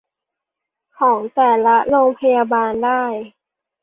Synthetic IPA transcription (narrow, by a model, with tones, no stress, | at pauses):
kʰɔː˩˦ŋt̪ɛː˨˩la˦˥loː˧ŋpʰa˧jaː˧baː˧ndaː˥˩j